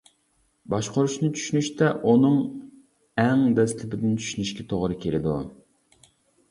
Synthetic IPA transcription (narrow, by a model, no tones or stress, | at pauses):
bɑʃqoɾuʃnɨt͡ʃʰy̥ʃynyʃt̪ɛʔunɨŋ | ɛŋd̪ɛst̪ʰɪpɪd̪ɪnt͡ʃʰy̥ʃynyʃkʲɛt̪ʰoʁɾɨkʲʰelɪd̪u